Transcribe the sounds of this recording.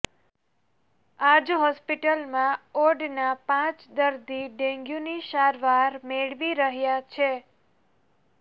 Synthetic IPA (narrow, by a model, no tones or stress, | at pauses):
ad͡ʒɦɔspiʈəlmãoɾɖnapãt͡ʃd̪əɾd̪iɖẽŋɡjũniʃaɾʋaɾmeɭʋiɾəɦjat͡ʃʰe